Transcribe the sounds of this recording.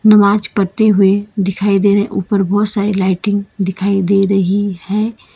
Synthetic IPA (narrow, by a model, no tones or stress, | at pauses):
nəmaːd͡ʒkəɾt̪eɦʊed̪ɪkʰaːid̪eːneʔuːpəɾbɔːt̪saːɾilaːɪʈɪ̃ŋɡd̪ɪkʰaːid̪eɾɐɦihɛ̃ː